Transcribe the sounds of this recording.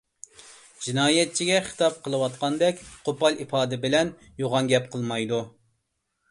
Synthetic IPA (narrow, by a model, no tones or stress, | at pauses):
d͡ʒinɑːjɛt̪̚t͡ʃʰiɡʲɛχə̥t̪ʰɑp̚qʰəlˠɨwɑt̪̚qʰɑnd̪ɛkʲqʰopɑlˠipɑːd̪ɪbɪlɛn | joʁɑnɡʲɛp̚qʰəlˠmɑjd̪u